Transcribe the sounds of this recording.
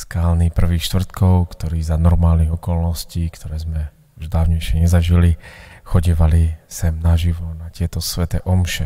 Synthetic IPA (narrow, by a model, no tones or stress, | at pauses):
skaːlnipr̩ʋiːxʃt̪ʋr̩t̪kɔʊkt̪ɔɾiːzanɔɾmaːlniɣɔkɔlnɔsciːkt̪ɔɾɛːzmɛ | uʒd̪aːʊɲɛjʃɪɛɲɛzaʒilixɔɟiːʋalisɛmnaʒiʋɔnacɪɛt̪ɔsʋɛt̪ɛʔɔmʃɛ